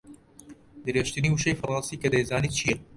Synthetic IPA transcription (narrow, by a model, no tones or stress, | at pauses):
d̪ɨɾeːʃt̪ɨniːuʃejfɐrˤɑːnsiːkɐd̪ejzaːniːt̪t͡ʃʰijɐ